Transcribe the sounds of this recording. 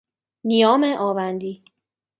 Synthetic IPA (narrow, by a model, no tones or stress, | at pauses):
nijɒːmeʔɒːvænd̪iː